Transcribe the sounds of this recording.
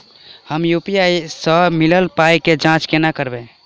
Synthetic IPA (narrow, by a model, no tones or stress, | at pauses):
həmjupijaisəmiləlpajked͡ʒãt͡ʃkenakəɾbẽ